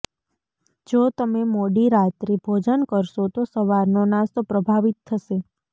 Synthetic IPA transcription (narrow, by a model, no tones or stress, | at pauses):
d͡ʒot̪əmemoɽiɾat̪ɾibʱod͡ʒənkəɾʃot̪osəʋaɾnonãst̪opɾəbʱaʋit̪ʰːəʃe